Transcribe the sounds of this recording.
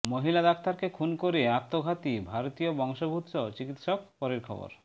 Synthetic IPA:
moɦilad̪akt̪aɾkekʰunkoɾeat̪ːoɡʱat̪ibʱaɾot̪iobɔŋʃobʱut̪ːʃot͡ɕikit̪ʃok̚pɔɾeɾkʰɔ̰bo̰ɾ

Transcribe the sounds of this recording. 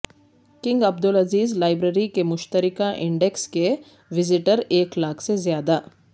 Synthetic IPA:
kɪ̃ŋɡɐb̚d̪ʊlɐziːzlaːɪbɾeːɾikemʊʃt̪əɾɪkãʔɪ̃ɳɖɛkske | ʋɪzɪʈəɾeːklaːkʰsezjaːd̪a

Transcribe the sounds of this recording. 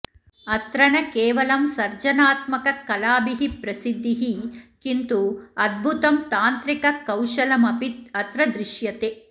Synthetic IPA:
ɐt̪ɾɐnɐkeːʋɐlɐmsɐɾd͡ʒɐnaːt̪mɐkɐkɐlaːbiɦipɾɐsid̪ʱːiɦikint̪uɐd̪̚bʱut̪ɐmt̪aːnt̪ɾikɐkɐwʃɐlɐmɐpit̪ɐt̪ɾɐd̪ɾiʃjɐt̪e

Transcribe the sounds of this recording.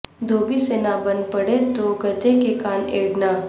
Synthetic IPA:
d̪oːbisenabɐ̃nd̪̚pɐɽet̪oɡət̪ekekaːneːɽnaː

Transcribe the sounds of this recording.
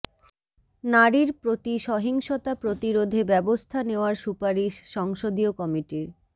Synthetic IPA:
naɾiɾpɾot̪iʃɔɦiŋʃot̪apɾot̪iɾod̪ʱebɛbost̪ʰaneoaɾʃupaɾiʃːɔŋʃod̪iokɔmiʈiɾ

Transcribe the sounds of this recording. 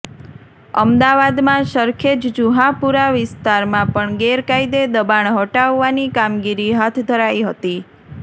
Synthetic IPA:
əmd̪aʋad̪mãʃəɾkʰed͡ʒd͡ʒuɦãpuɾaʋɪst̪aɾmãpəɳɡeɾkaid̪ed̪əbaɳɦɔʈaʋːanikamɡiɾiɦat̪ʰd̪ʱəɾaiɦət̪i

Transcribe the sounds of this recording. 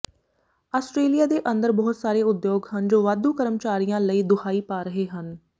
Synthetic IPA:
aːsʈɾeːlijaːd̪eːʔə̃nd̪əɾbɔːʊt̪saːɾeːʊd̪joːɡɦənd͡ʒoːʋaːd̪uːkəɾəmt͡ʃaːɾijãːləiːd̪ʊkʰaːiːpaːɾəɦeːɦən

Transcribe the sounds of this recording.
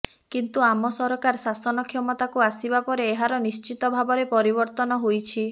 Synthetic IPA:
kint̪uamɔsɔɾɔkaɾsasɔnɔkʰjɔmɔt̪akuasibapɔɾeːɦaɾɔnist͡ʃit̪ɔbʱabɔɾepɔɾibɔɾt̪ɔnɔɦojt͡ʃʰi

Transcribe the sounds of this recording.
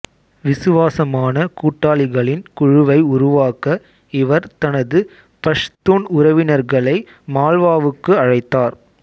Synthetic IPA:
ʋɪsɯʋaːsɐmaːnɐkuːʈːaːɭɪɣɐɭɪnkʊɻʊʋɐɪʊɾʊʋaːkɐ | ɪʋɐɾt̪ɐnɐðɯ | pɐʂt̪uːnʊɾɐʋɪnɐɾɣɐɭɐɪ | maːlʋaːʋɯkːɯɐɻɐɪt̪ːaːɾ

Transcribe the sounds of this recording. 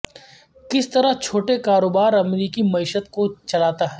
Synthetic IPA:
kɪst̪ɐɾat͡ʃʰoːʈekaːɾoːbaːɾɐmɾiːkimɐiːʃət̪kot͡ʃɐlaːt̪aɦɛː

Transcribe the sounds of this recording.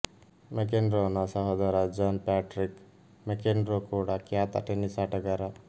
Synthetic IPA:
mekenɾonasaɦɔd̪aɾad͡ʒanpaʈɾik | mekenɾokoɽakjat̪a̰ʈenisaʈaɡaɾa

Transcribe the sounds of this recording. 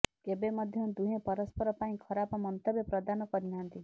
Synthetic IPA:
ebemɔd̪ʱjɔd̪uɦẽpɔɾɔspɔɾɔpaĩkʰɔɾapɔmɔnt̪ɔbjɔpɾɔd̪anɔkɔɾinɦant̪i

